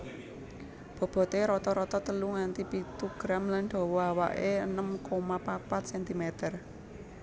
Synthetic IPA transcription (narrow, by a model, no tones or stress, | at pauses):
b̥ɔ̤b̥ɔ̤t̪eɾɔt̪ɔɾɔt̪ɔt̪əluŋant̪ipit̪uɡ̥ɾamlanɖ̪̥ɔ̤wɔawa̰ʔeənəmkomapapat̪̚sɛnt̪imet̪ər